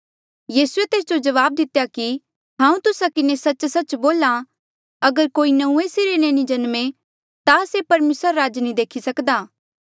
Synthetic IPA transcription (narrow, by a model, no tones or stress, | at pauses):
jiːsuet̪eːsd͡ʒod͡ʒɐʋaːb̚d̪ɪt̪ejaki | ɦãːũt̪ʊsakɪnesɐtːt͡ʃsɐt͡ʃboːla | ɐɡəɾkoːinɐũesɪɾenẽnĩd͡ʒɐnmẽ | t̪asepɐɾmeːsɾɾaːd͡ʒnĩd̪eːkʰisɐkd̪aː